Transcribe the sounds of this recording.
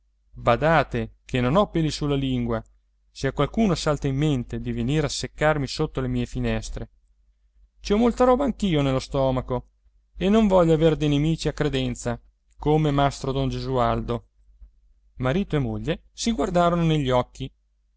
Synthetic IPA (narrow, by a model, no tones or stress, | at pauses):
bad̪aːt̪ekʰenonɔpːelːisulːaliŋɡwa | seakwalkuːnosalt̪eimːent̪ed̪iveniːɾasːekːarmisot̪ːolemiːefinɛst̪ɾe | t͡ʃiɔmolt̪aɾɔːbaːŋkiːonelːost̪ɔːmako | enːoɱvɔʎːoaverd̪ejnemiːt͡ʃiakːɾed̪ɛnt̪sa | komemast̪ɾod̪ond͡ʒezuald̪o | maɾiːt̪oemoʎːe | siɡward̪aːɾononeʎːiɔkːi